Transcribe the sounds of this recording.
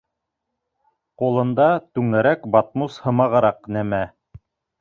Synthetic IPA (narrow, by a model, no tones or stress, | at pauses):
qulˠɤ̆nd̪ɑt̪ʉŋæɾækbɑt̪̚mushɤ̆mɑʁɤ̆ɾɑqnæmæ